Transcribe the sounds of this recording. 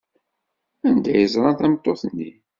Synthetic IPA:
ænd̪æjəzɾˤɑnθæmt̪ˤːoθnːi

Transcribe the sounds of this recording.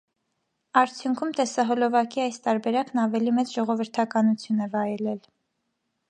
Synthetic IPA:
ɑɾt͡sʰjuŋkʰumt̪ɛsɑɦɔlɔvɑkiɑjst̪ɑɾbɛɾɑknɑvɛlimɛt͡sʒɔʁɔvəɾt̪ʰɑkɑnut͡sʰjunɛvɑjɛlɛl

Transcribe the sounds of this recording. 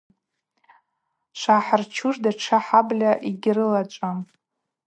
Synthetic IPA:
ʃʷaħart͡ʃʰuʐdaʈ͡ʂʰaħablʲaʔiɡʲrɨlat͡ʃʷʼam

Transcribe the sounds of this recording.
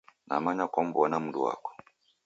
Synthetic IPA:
na̰maɲakɔm̩bɔnam̩duwa̰kɔ̥

